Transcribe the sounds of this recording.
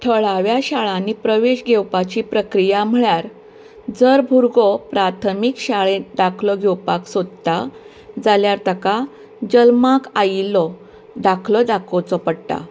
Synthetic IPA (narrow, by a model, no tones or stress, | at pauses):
ʈ̪ʰəɭaʋjaɕaɭãnːiːpɾəʋeɕɡʱewpat͡ɕiːpɾəkɾijam̤əɭjaɾ | d͡zəɾbʱuɾɡɔpɾat̪ʰəmikɕaɭẽɖakʰlɔɡʱewpaksod̪t̪a | d͡zaljaɾt̪əka | d͡ʑəlmakajilɔ | d̪akʰlɔd̪akʰot͡sɔpəɽʈ̪a̰